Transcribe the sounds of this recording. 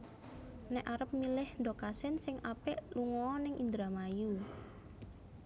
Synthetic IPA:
nɛʔaɾəp̚milɪhnɖokasɪnsɪŋʔapɛʔluŋɔːnɪŋʔind̪ɾamaju

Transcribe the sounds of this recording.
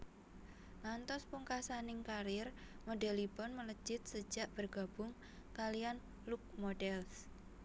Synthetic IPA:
lant̪ɔspuŋkasanɪŋkaɾɪrmodɛlibɔnmələ̥d͡ʒ̥ɪt̪̚sə̥d͡ʒ̥aʔb̥ərɡ̥a̤b̥ʊŋ | kalijan | luk̚moɖɛls

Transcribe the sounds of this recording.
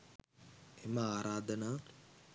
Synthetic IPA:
emɐaːɾaːd̪ɐnaː

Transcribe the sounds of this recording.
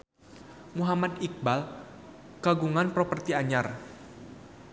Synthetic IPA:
muɦamad̪ik̚bal | kaɡuŋanpɾopərt̪iaɲar

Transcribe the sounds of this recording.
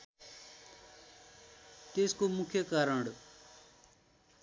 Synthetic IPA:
t̪eːskoːmʊkʰjəkaːɾəɳɽ

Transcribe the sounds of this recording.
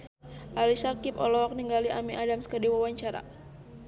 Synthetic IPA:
ʔalisakipɔlɔɦɔk̚niŋɡaliʔamiʔadamskərdiwawaɲt͡ʃaɾa̰

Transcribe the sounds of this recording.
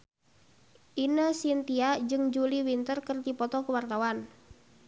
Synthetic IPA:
ʔinəsint̪iad͡ʒɨŋd͡ʒuliwint̪ərkərd̪ipɔt̪ɔkəwart̪awan

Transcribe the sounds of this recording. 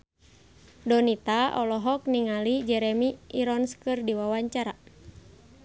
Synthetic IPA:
dɔnit̪aʔɔlɔɦɔk̚niŋalid͡ʒɛɾɛmiːɾɔnskɨrdiwawaɲt͡ʃaɾa

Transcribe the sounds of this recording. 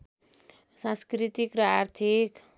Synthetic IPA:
sãskrit̪ikrʌart̪ʰik

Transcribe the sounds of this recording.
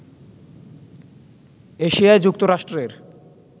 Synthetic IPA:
eʃiaed͡ʑuk̚t̪oɾaʃʈɾeɾ

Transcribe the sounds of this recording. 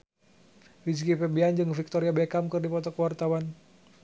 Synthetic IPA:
fid͡ʒkipɛbiand͡ʒɨŋfik̚t̪ɔɾiabɛkamkɨrdipɔt̪ɔkəwart̪awan

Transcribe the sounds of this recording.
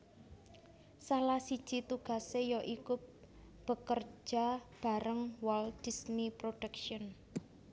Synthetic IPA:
salasid̥ʒ̥it̪uɡ̥a̤sejɔʔikʊp̚ | b̥ə̤kər̥d͡ʒ̥a̤b̥a̤ɾəŋwɔld̥i̤snipɾoɖ̥ɛkʃɔn

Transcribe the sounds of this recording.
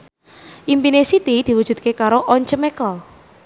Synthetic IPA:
ʔimpinesit̪id̪̥i̤wu̥ʒ̥ṳd̪̚kekaɾoʔɔɲt͡ʃəmekɔl

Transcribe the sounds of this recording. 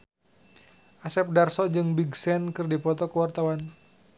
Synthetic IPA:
ʔasɛp̚darsɔd͡ʒɨŋbiɡsɛnkɨrdipɔt̪ɔkəwart̪awan

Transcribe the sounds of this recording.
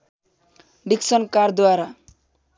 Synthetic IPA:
ɖiksʌnkaɾd̪waɾa

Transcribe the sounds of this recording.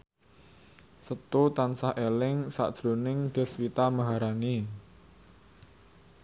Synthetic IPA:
sət̪ut̪ansahʔelɪŋsa̰ʔd̥ʒ̥ɾo̤nɪŋd̪̥ɛ̤swit̪amaɦaɾani

